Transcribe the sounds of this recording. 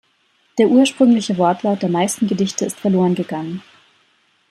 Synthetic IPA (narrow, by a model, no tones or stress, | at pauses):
d̥eːɐʔuːɐʃpʁ̥ʏŋlɪçəvɔɐtʰlaʊtd̥eːɐmaɪstn̩ɡədɪçtəɪstfɛɐloːʁənɡəɡaŋən